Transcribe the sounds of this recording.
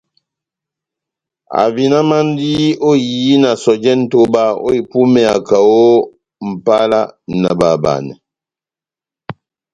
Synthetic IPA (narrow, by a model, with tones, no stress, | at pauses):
a̰˨vi˨na˦ma˦n˦di˦o˦ji˨˦na˨sɔ˨d͡ʒɛ˦n̩˦to˦ba˦o̰˦i˨pu˦mɛ˨a˨ka˨wo˦ | m̩˨pa˦la˦nə˨ba˨ba̰˨nɛ˨